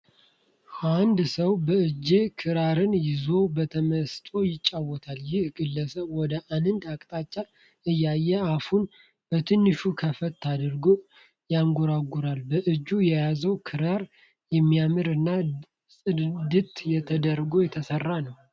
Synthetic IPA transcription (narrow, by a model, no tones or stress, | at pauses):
and̪səwbəɨd͡ʒːekʰɨɾaɾɨnjɪzo̞bət̪ʰəməst̪ʼo̞jɪt͡ʃʼːawːɔt̪ʰaljɪhɡɨlːəsəβwɔd̪əʔanɨnd̪akʼt̪ʼat͡ʃːa | ɨjːajːɛafhun | b̥ət̪ʰɨnːɨʃukʰəfət̪ʰːad̪ɨɾɡo | jaŋɡɔɾaɡuɾalbəʔɨd͡ʒːujɛjazəwkʰɨɾaɾ | jɛmːijamɨɾɨnːa | sʼɨd̪ɨt̪jɛt̪ʰəd̪əɾɡo̞jɛt̪ʰəsərːanəw